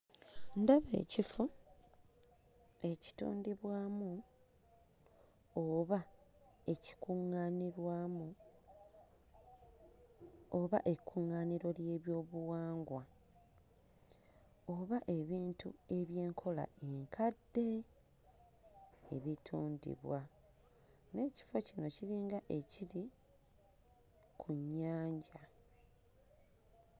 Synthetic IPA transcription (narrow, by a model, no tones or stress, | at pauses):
ndaβe̞̰ːcifu | e̞ci̥tṵːndiβwaːmu | βaeci̥kuŋaniɾwaːmu | oβaʔe̞kʰːuŋːaːniɾo̞lje̞ːβjo̞ːβuwaːŋɡwa | o̞βaʔe̞βiːntue̞βje̞ːŋkʰo̞la̰e̞ŋkʰadːe̞ | e̞βitʰuːndḭβwa | ne̞ːci̥fo̞cino̞ciɾiːŋɡaʔe̞ciɾi | kʰuɲːaːɲɟa